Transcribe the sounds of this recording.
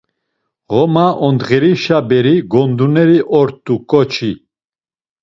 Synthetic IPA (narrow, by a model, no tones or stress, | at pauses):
ʁɔmaʔɔnd̪ʁɛɾiʃabɛɾiɡɔnd̪unɛɾiʔɔɾt̪ʼːukʼɔt͡ʃʰi